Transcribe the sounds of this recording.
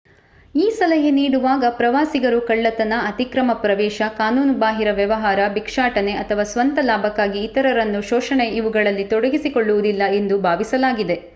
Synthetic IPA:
iːsɐlɐɦeniːɽuʋaːɡɐpɾɐʋaːsiɡɐɾukɐɭːɐt̪ɐnɐɐt̪ikɾɐmɐpɾɐʋɛːʃɐkaːnuːnbaːɦiɾɐʋjɐʋɐɦaːɾɐbikʂaːʈɐne̞ʔɐt̪ʰɐʋaːsʋɐnt̪ɐlaːbʱɐkːaːɡiːt̪ɐɾɐɾɐnːuʃɔːʃɐɳe̞iʋuɡɐɭɐlːit̪ɔɽɐɡisikoɭːuʋud̪ilːɐe̞nd̪ubʱaːʋisɐlaːɡid̪e̞

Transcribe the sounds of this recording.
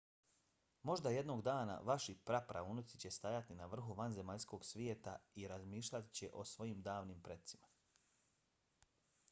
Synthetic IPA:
mo̞ʒd̪aje̞d̪no̞ɡd̪aːna̰ʋaʃipɾapɾʔa̰unot̪sit͡ɕe̞st̪ajat̪inaʋr̩xuʋanze̞maʎsko̞ɡsʋjeːt̪aiɾazmiːʃʎʲat̪i̥t͡ɕe̞ʔo̞sʋo̞jiːmd̪aːʋniːmpɾe̞t̪simḁ

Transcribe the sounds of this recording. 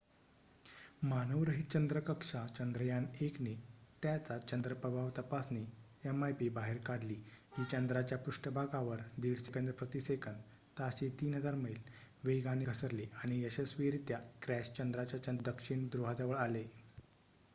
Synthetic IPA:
manəʋɾəɦit̪̚t͡ɕənd̪ɾəkəkʂat͡ɕənd̪ɾəjaneknet̪jat͡sat͡ɕənd̪ɾəpɾəbʱaʋt̪əpasne | emajpibaɦeɾkaɽliːɦiːt͡ɕənd̪ɾat͡ɕjapuʂʈəbʱaɡaʋəɾd̪iɽsekənd̪əpɾət̪isekʰən | t̪aɕet̪iːnɦəd͡zaɾməil | ʋeɡaneɡʰʱəsəɾleaɽ̃ijəɕesʋiɾit̪jakɾæɕt͡ɕənd̪ɾat͡ɕjat͡ɕənd̪əkʂiɳd̪ɾuɦad͡zaʋəɭale

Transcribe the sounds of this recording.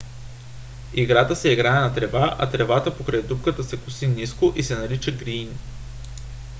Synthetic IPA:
iɡɾat̪əsɛiɡɾaɛnɐt̪ɾɛvaʔɐ̰t̪ɾɛvat̪əpokɾajd̪up̚kət̪əsɛkʊsiniskoʔisɛnɐlit͡ʃəɡɾin

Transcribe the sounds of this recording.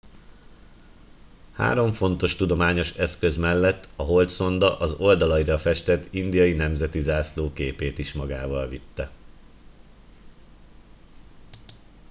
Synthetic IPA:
ha̰ːɾo̞ɱfo̞n̪t̪o̞ʃt̪ud̪o̞maːɲo̞ʃɛskøzmɛlːɛt̪ːɒɦo̞lt̪so̞nd̪ɒʔɒzo̞ld̪ɒlɒiɾɒfɛʃt̪ɛt̪ːind̪ijɒjinɛmzɛt̪izaːsloːkeːpeːt̪iʃmɒɡaːvɒlvit̪ːɛ

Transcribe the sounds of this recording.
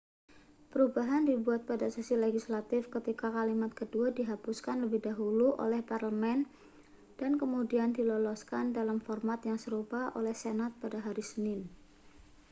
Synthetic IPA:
pəɾubaɦandibuat̪̚padasisileɡislat̪ɪfkət̪ikakalimat̪̚kəduadiɦapuskanləbɪhdaɦuluʔo̰lɛhparləmɛn | d̥ankəmudiandilɔlɔskandalamfɔrmat̪jaŋsəɾupaʔo̰lɛhsenat̪̚padaɦaɾisənɪn

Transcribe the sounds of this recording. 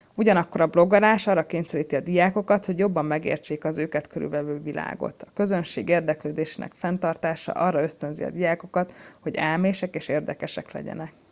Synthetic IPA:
uɟɒnɒkːo̞ɾɒblo̞ɡɒlaːʃɒrːɒkeːɲsɛɾiːt̪iɒd̪ijaːko̞kɒt̪hoɟjo̞bːɒmːɛɡḛːrt͡ʃeːkɒzøːkɛt̪kʰøɾy̰lʋɛvøːvilʔa̰ːɡo̞̰t̪ɒkøzø̞nʃeːɡeːrd̪ɛkløːd̪eːʃeːnɛ̰kfɛnt̪ɒrt̪aːʃɒ̰ʔɒrːɒø̞st̪ønzḭɒ̰d̪ijaːko̞kɒt̪ho̞ɟɛlmeːʃɛkeːʃeːrd̪ɛkɛʃɛklɛ̰ɟɛ̰nɛk

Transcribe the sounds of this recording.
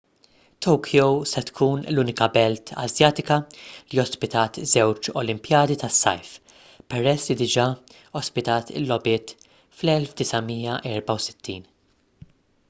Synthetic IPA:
t̪ʰowkʰjowsɛt̪kʰuːnluːnɪkɐbɛlt̪ʰɐ̰zjɐːt̪ɪkɐliɔspɪt̪ɐːt̪zɛwt͡ʃɔ̰lɪmpjɐːd̪it̪ɐsːɐ̰jf | pɛɾɛslid̪ɪd͡ʒɐ | ɔspɪt̪ɐːt̪ɪ̰lːɔbɪːt̪ | flɛlfd̪ɪsɐmiːjɐʔɛːɾbɐwsɪ̥t̪ʰːiːn

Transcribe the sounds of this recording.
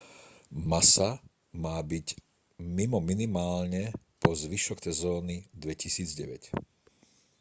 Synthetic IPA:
masa | maːbic | mimɔminimaːlɲɛ | pɔzʋiʃɔksɛzɔːnid̪ʋɛcisiːd͡zɟɛʋɛc

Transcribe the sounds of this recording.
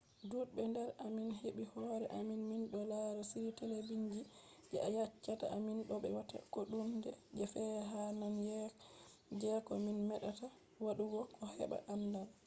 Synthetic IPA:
dudbɛndɛɾaminɦeɓihɔɾɛ̰ʔaminminɗɔlaɾɔsiɾitɛlebiɲd͡ʒi | d͡ʒɛ̰ajat͡ʃːata̰ʔaminɗɔɓɛ̰wata̰koɗundɛd͡ʒɛfɛɦananjɛ | d͡ʒɛkɔminmɛɗata | waɗuɡɔkʰɔhɛ̰ɓa̰ʔandal

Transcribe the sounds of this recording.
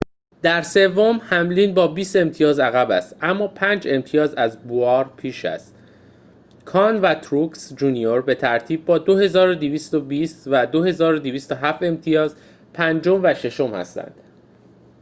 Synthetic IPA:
d̪̥æɾse̞vomhæmliːnbɒːbiːst̪e̞mt̪ʰijɒːzæɣæbæst̪ʔæmːɒːpʰænd͡ʒe̞mt̪ʰijɒːzæzboɒːɾpʰiːʃæ̰st̪ | kʰɒːnvæt̪ʰɾuksd͡ʒuːnijo̞ɾbe̞t̪ʰæɾt̪ʰiːb̚ːɒːd̪o̞he̞zɒːɾod̪eviːst̪obiːst̪væd̪o̞he̞zɒːɾod̪iviːst̪oɦæfe̞mt̪ʰijɒːz | pʰænd͡ʒo̞mvæʃe̞ʃo̞mhæ̰st̪æ̰nd̪̥

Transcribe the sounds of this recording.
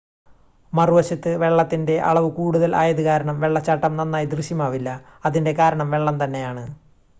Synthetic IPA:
mɐruʋɐɕɐt̪ːɨʋe̞ɭːɐt̪ːinde̞ʔɐ̰ɭɐʋɨkuːɽuðɐlʔa̰ːjɐðɨkaːɾɐɳɐmʋe̞ɭːɐt͡ɕːaʈːɐmnɐnːaːjid̪rɨɕjɐmaːʋilːɐ | ɐðinde̞kaːɾɐɳɐmʋe̞ɭːɐmt̪ɐnːe̞jaːɳɨ

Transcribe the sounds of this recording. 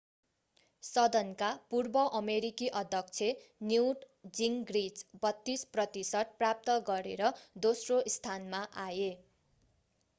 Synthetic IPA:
sʌd̪ʌnkapurbʌʔʌmeɾikiʔʌd̪ʱjʌk̚t͡sʰenjiwʈ | d͡ziŋɡrid͡zbʌt̪ːisprʌt̪isʌʈ̪̚prap̚t̪ʌɡʌɾḛɾʌd̪osroist̪ʰanmaʔaje

